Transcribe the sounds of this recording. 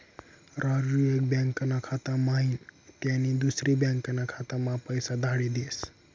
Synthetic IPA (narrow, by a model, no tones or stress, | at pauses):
ɾaɾuek̚bãŋkənakʰat̪amaint̪janid̪usɾibjãŋkənakʰat̪amãpəjsad̪ʱaɽid̪es